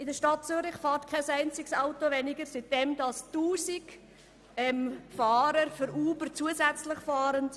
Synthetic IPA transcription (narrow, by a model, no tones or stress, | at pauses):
ɪdəʃtɑt̚t͡syɾɪχfɑːrtkʰɛsæɪnt͡sɪksɑʊtoʋɛnɪɡəɾsit̚d̥ɛmdɑstuːsiɡ | ɛmfɑːɾəɾfʏɾuːbəɾt͡suəzæt͡sləχfɑːɾənt